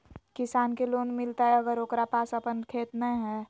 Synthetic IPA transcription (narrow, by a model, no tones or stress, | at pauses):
kɪsaːnkeloːnmɪlt̪aɦɛəɡəɾoːkɾapaːsəpənkʰeːt̪nə̃ɦɛː